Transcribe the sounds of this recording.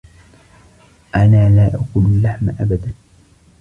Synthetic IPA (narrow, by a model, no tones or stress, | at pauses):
ʔanaːlaːʔakuːnalːaħmaʔabad̪an